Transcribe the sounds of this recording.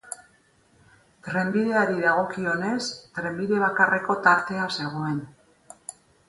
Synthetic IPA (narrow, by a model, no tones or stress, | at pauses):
t̪ɾe̞mbiðe̞aɾiðaɣ̞o̞kio̞ne̞st̪ɾe̞mbiðe̞β̞akare̞ko̞t̪aɾt̪e̞ase̞ɣ̞o̞e̞n